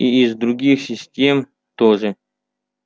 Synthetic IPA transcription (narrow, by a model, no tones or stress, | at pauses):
iːzd̪ɾʊɡʲixsʲɪsʲtʲe̞m | t̪oʐɨ